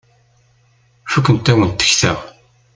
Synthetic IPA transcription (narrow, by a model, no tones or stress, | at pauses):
fækʷːənt̪ːæwənt̪ːə̥çθæ̰ʁ